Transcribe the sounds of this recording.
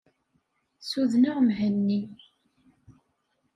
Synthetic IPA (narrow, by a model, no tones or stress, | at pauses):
suðnəʁmɦənːi